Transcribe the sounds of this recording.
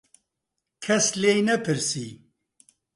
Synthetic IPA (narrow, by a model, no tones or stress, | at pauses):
kʰɛsleːjnɛpʰɨɾsḭː